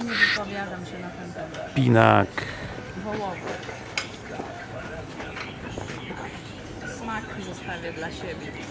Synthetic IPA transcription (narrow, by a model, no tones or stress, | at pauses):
ɲɛvɨpɔvʲjad̪amɕɛnat̪ɛnt̪ɛmɛpʲinak | vɔwɔvɛ | smakzɔst̪avʲjɛd̪laɕɛbʲjɛ